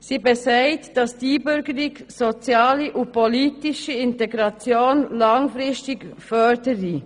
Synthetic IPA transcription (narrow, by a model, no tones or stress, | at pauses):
z̥iːbɛsaɪtd̥asd̥iːbʏɾɡəɪkz̥ot͡sjaːləʔʊn̚pʰoliːtɪʃəɪnteɡʁat͡sjoːnlaŋfʁɪstɪkfœdəʁi